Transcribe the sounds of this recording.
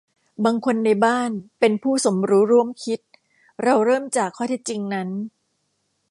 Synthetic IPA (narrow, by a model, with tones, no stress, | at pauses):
baː˧ŋkʰo˧nːa˧jbaː˥˩npe˧npʰuː˥˩so˩˦mɾuː˦˥ɾu˥˩əmkʰi˦˥t̪̚ | ɾa˧wɾɤː˥˩mt͡ɕaː˨˩kʰːɔː˥˩t̪i˦˥t̪̚t͡ɕi˧ŋna˦˥n